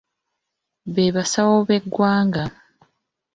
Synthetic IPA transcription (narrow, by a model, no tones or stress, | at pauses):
βeβasawoβe̞ɡːwaːŋɡa